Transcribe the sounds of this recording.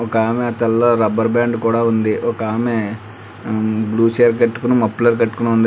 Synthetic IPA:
ɔkaːmet̪ɐlːɐɾɐbɐɾbaːɳɖkuːɽaːund̪iʔɔkaːme | bluːt͡ʃeːɐɾkɐʈːu̥kunɐmɐpːlɐɾkɐʈːu̥kunund̪i

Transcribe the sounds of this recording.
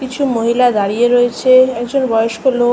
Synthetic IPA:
kit͡ɕʰumoɦilad̪aɾieɾoet͡ɕʰeɛkd͡ʑonbɔjoʃkolo

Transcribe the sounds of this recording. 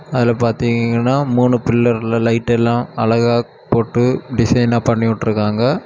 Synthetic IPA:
ɐðɪlɐpaːɾt̪iːŋɡŋɡɐnːaːmuːɳɯpɪlːɐɾlɐlɐɪʈːɛlːãːɐɭɐɣaː | poːʈːɯɖɪsɐɪnaːpɐɳːɪʋʊʈːɯɾɯkːaːŋɡɐ

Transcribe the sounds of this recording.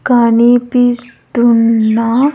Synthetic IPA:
kanipisd̪unːa

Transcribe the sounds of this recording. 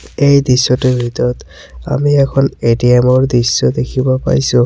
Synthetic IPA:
ejdisːɔtebʱitɔɔt | a̰miɛkʰɔnediemɔɹdisːɔd̪ekʰibɔpa̰ɹjsʊ̃

